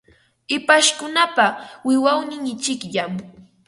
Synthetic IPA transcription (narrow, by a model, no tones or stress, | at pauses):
ɪpaʃkʊnapawɪwawnɪŋɪt͡ʃɪkʎam